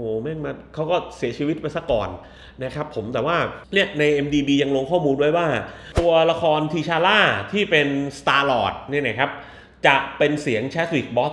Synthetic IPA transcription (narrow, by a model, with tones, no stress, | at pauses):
oː˨˩mɛ˥˩ŋma˧˥˩tkʰa˦˥wkɔː˥˩si˩˦ət͡ɕʰiː˧wi˦˥t̪̚pa˧jsa˧˥˩kɔ̰ː˨˩n | na˦˥kʰa˦˥pʰːo˩˦mt̪ɛː˨˩waː˥˩ni˥˩ɐna˧jʔe˧mdiː˧biː˧ja˧ŋlo˧ŋkʰɔː˥˩muː˧ndu˥˩əjwaː˥˩t̪u˧ɐla˧kʰɔː˧nt̪ʰiː˧t͡ɕʰaː˧laː˥˩t̪ʰiː˥˩pe˧nst̪aː˧lɔː˨˩t̪̚ni˥˩na˦˥˩kʰa˦˥p̚ | t͡ɕa˨˩pe˧nsi˩˦əŋt͡ɕʰɛ˦˥t̪̚wiː˨˩k̚bɔː˦˥k̚